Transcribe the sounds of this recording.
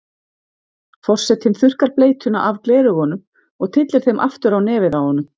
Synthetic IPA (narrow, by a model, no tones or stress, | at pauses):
fɔr̥sɛt̪hɪnθʏr̥kaɾpleːjt̪ʰʏna̰ʔavklɛːðʏɣhɔnʏm | ɔɣt̪ʰɪt̪lɪɾ̥θejmʔa̰ft̪ʏɾawnɛːvɪðawhɔnʏm